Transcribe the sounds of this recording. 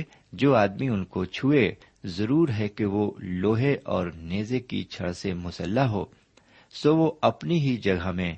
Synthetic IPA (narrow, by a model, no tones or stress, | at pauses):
d͡ʒoːaːd̪miʊnkot͡ʃʰue | zɐɾuːɾɦɛkeʋoloːɦeʔɔ̰ːɾneːzekḭt͡ʃʰɐ̰ɽsemʊsəlːaɦoː | soːʋoɐpniɦid͡ʒɐɡʱamẽ